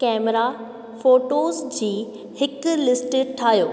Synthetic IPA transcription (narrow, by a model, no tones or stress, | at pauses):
kɛːmɾa | foːʈoːzd͡ʑiː | hɪklɪsʈʈʰaːɦjoː